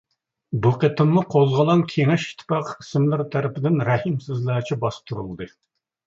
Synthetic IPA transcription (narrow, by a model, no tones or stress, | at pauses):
buqʰet̪ʰɨnːuqʰozʁəlˠɑŋkʲʰeŋɛʃi̥t̪ʰːɪ̥pɑqʰi̥sɪmlɪɾt̪ʰæɾɪpɪd̪ɪnɾɛhimsɪzlɛt͡ʃʰibɑst̪uɾṵlˠd̪ɨ